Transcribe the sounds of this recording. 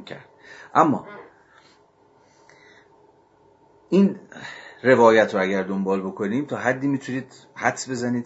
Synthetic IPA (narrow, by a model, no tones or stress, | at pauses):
cʰæ̰ɾd̪̥ʔæmːɒ̰ː | ʔiːn | re̞vɒːjæt̪ʰɾoæɟæɾd̪ombɒːlbo̞kʰo̞niːmt̪ʰɒːɦæd̪ːiːmit̪ʰuniːd̪̥ | hæt̪sbe̞zæniːd̪